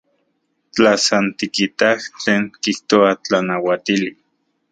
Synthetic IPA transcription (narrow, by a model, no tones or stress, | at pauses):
t͡ɬasant̪ikit̪aht͡ɬeːŋkiht̪oat͡ɬanawat̪ili